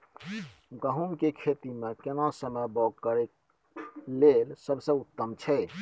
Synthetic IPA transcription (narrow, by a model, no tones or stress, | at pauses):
ɡəɦumkekʰet̪imekenasəməjbɔɡkəɾek | lelsəbsə̃ut̪ːəmt͡ʃʰɛ